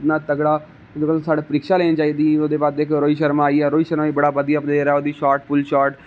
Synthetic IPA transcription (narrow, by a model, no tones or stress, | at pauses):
tnaːt̪əɡɽaː | d̪kəlsaːɽaːpəɾɪkʃaːleːniːt͡ʃaːiːd̪iːoːd̪eːbaːd̪eɪkɾoːiːʃəɾmaːiːɛːɾoːiːʃəɾmaːiːbəɽaːbəd̪ijaːpneːɾɛːoːd̪iːʃaːɾʈ̚pʊlʃaːɾʈ